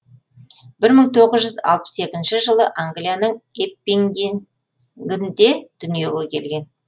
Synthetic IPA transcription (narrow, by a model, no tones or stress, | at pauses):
b̥ɪɾməɴt̪ʰo̞ʁəzʒʏzɑ̰lˠpə̥se̞kʲɪnʃɪʒəlˠəʔaŋɡlijanəɴepːiŋ | ɡʲɪnd̪e̞d̪̥ʏnije̞ɡʲekʲʰe̞lɡʲe̞n